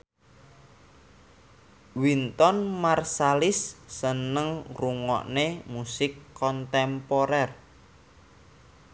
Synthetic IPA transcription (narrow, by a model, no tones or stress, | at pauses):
wint̪ɔnmarsalɪsːənəŋruŋɔ̰ʔnemusɪkːɔnt̪ɛmpɔɾɛr